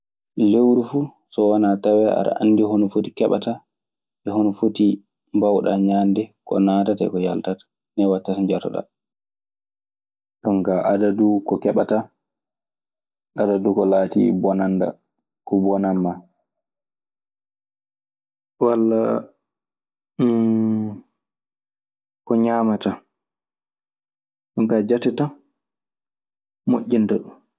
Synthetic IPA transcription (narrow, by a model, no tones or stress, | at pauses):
lewɾufuː | sɔwanatawɛa̰ɗa̰ʔa̰nːdiɦonɔfotikɛɓa̰ta | ʔɛhonɔfoti | mbawɗa̰ɲandɛkɔ̰naːtataɛ̰kɔjaltatḁ | nɛwatːataɲd͡ʒatɔ̰ɗa̰ | ɗɔŋkaʔadadukɔkɛɓata | ɗadadukɔlaːtḭbɔnanda̰ | kɔbɔnamːa | walːa̰ | kɔɲaːmata | ɗɔŋkad͡ʒatɛta | moʔʲːindaɗum